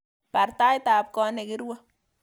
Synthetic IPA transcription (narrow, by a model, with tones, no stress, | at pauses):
pa˨ɾt̪a˦jt̪a˨p̚kɔ˦ne˨kɪ˦ɾwa˦